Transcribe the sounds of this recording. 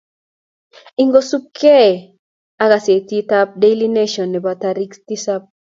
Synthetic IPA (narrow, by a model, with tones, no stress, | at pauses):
i˨ŋɡo˦su˦p̚kʰɛ˦˨ | a˦ka˨se˨t̪i˦ta˦p̚de˦li˦ne˦ʃɔ˨nːe˨ba˨t̪a˨ɾi˦kst̪i˦sa˦p̚